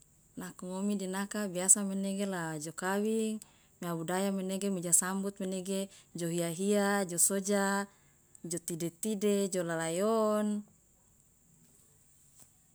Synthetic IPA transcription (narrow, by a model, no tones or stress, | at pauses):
lakuŋomidinakabiasameneɡelad͡ʒokawiŋ | meabudajameneɡemed͡ʒasambut̪̚meneɡed͡ʒoɦiaɦiad͡ʒosod͡ʒa | d͡ʒot̪idɛt̪ided͡ʒolalajɔn